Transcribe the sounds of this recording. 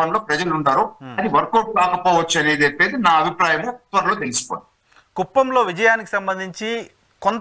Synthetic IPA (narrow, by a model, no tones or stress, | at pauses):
ɐnlo̞ːpɾɐd͡ʒɐluɳɖaːɾuɐd̪iʋɐɾkoːʈ̚kaːkɐpɔːʋɐt͡ʃːuɐneːd̪epːeːd̪inaːɐbʱipɾaːjɐmut̪ʋɐɾɐloːt̪̬elisi̥po̰ːj | kupːɐmlo̞ːʋid͡ʒɐjaːniki̥sɐmbɐnd̪ʱiɲt͡ʃi | kont̪